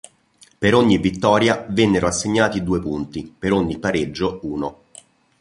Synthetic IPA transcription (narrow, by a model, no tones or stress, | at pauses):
peɾoɲːivit̪ːɔːɾjavɛnːeɾoasːeɲːaːt̪id̪uːepunt̪ipeɾoɲːipːaɾed͡ʒːouːno